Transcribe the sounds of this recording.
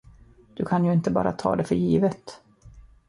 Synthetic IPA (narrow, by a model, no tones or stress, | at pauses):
d̪̥ɵkʰanjɵɪnt̪əbɑ̰ːɾʔat̪ʰɑ̰ːd̪ɛfœɾjiːvət̪